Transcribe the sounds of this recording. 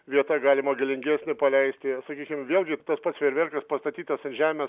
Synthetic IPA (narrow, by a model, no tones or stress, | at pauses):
ʋʲiɛt̪ɐɡɑːlʲɪmɐɡʲɪlʲɪŋʲɡʲæːsʲnʲɪpɐlʲɛɪsʲt̪ʲɪsɐkʲiːkʲɪmʋʲeːlˠɡʲɪt̪ɐspɐt̪sʋʲeɾʲʋʲɛrkɐspɐst̪ɐt̪ʲiːt̪ɐsɪnʒʲæːmʲeː